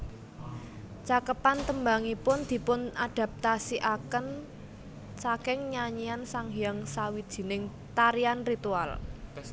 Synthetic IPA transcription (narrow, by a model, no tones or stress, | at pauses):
t͡ʃakəpant̪əmbaŋipʊnd̪̥i̤pʊnad̥a̤p̚t̪asiʔakən | sakɪŋɲaɲiansaŋɦijaŋsawid̥ʒ̥i̤nɪŋ | t̪aɾianrit̪ual